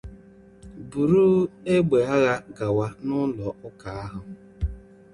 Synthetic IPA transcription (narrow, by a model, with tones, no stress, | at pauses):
bu˨ɾu˦e˦ɡ͡be˨a˦ɣa˦ɡa˨wa˦nʊ˦lɔ˨ʊ˦ka˨a˦ɦʊ˨